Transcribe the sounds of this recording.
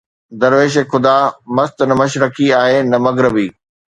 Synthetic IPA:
d̪ɐɾʋeːʃ̬exʰʊd̪amɐst̪nɐmɐʃɾɐkʰiaːɦenɐmɐɣɾɪbiː

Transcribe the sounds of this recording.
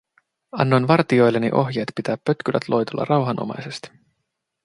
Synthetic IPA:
ɑ̰nːonʋɑrt̪io̞jlːenḭʔo̞ɦjeːt̪pit̪æːpːøt̪k̟ylʔæ̰t̪lo̞jt̪ulːɑ̰rɑwɦɑnʔo̰mɑ̰jse̞st̪i̥

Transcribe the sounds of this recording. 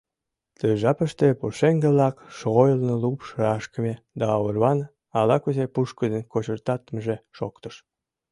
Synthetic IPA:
t̪əjʒɑpə̆ʃt̪epuʃeŋɡeβlɑkʃoɣojəlnɤlupʃɾɑʃkəme | d̪ɑːβərβɑn | ɑlɑkuzepuʃkəd̪enkot͡ɕərt̪ɑt̪məʒeʃokt̪əʃ

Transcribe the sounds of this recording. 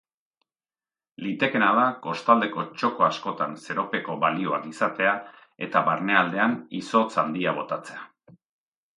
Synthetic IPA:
lit̪e̞ke̞naðako̞st̪ald̪e̞ko̞t͡ʃo̞ko̞asko̞t̪anse̞ɾo̞pe̞ko̞βalio̞akisat̪e̞a | e̞̰t̪aβaɾne̞ald̪e̞aniso̞t͡sand̪ia̞o̞t̪at͡se̞a

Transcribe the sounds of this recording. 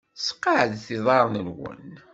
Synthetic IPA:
sqːɑʕəðθiðˤɑɾˤnəlwə̰n

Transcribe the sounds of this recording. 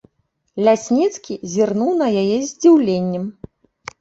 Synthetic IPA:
lʲasʲnʲit̪skʲizʲirnuwnɐjajɛzʲd͡zʲiwlʲenʲːɛm

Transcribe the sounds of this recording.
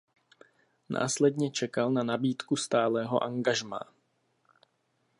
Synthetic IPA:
na̰ːslɛdɲɛt͡ʃɛkalnanabiːt̪kust̪aːlɛːɦo̞ʔaŋɡaʒma̰ː

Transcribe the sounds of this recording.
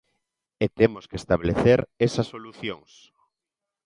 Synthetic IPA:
et̪emoskest̪aβleθeɾesasːoluθjoŋs

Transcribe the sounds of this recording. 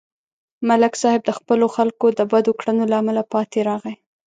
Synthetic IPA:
malɪksɑhɪb̚d̪əxpəloxalkod̪əbad̪okɽənolaamalapɑt̪eɾɑɣa

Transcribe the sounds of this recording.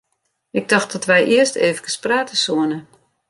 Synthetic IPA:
ʔɪɡ̚dɔxt̚dɔtʋɛjʔiəsteːvəkəspraːtəsuənə

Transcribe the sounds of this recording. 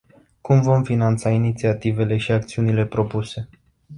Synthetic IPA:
kumvo̞mfinant̪sainit̪siat̪ive̞le̞ʃiak̚t̪siunile̞pɾo̞puse̞

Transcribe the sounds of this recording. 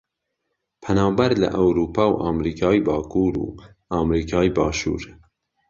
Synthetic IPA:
pʰɛnɑːbɛɾlə̰ʔɛwɾuːpʰɑːwʔɑːmɾiːkʰɑːibɑːkʰuːɾṵː | ɑːmɾiːkʰɑːjbɑːʃṵːɾ

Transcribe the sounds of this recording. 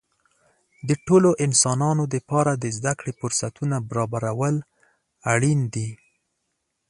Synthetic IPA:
d̪əʈoloʔɪnsɑnɑnod̪əpɑɾad̪əzd̪akɽefʊɾsat̪unabaɾɑbaɾawəl | aɽind̪i

